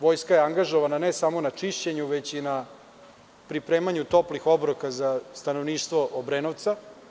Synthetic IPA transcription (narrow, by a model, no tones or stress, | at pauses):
ʋojskajeaŋɡaʒoʋananesamo̞nat͡ʂiʃt͡ɕe̞ɲuʋet͡ɕina | pɾipɾeːmaɲut̪o̞plixobɾokazast̪anoʋniːʃt̪ʋoʔobɾenoʋt̪sa